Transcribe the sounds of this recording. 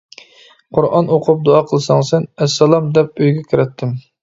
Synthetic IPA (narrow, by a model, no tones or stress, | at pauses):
qʰʊɾʔɑnoqʰʊp̚d̪oɑqʰəlˠɨsɑŋsɛnɛsːɛlˠɑmd̪ɛp̚øjɡʲɛkʲʰiɾɛt̪ʰːɪm